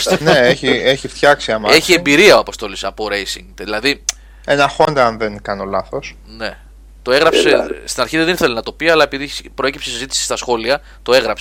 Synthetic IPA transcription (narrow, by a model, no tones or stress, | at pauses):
neeçieçift̪çɐksiɐmɐeçiembiɾiɐoɐpo̞st̪o̞lisɐpo̞ɾe̞jsḭŋðilɐði | e̞nɐxond̪ɐɐnðenkɐno̞lɐθo̞s | ne̞ | t̪o̞e̞ɣɾɐpsest̪inɐɾçiðeðeniθelenɐt̪o̞piɐlɐe̞piðipɾo̞e̞cipsesizit̪isi̥st̪ɐsxo̞liɐ | t̪o̞e̞ɣɾɐpse̥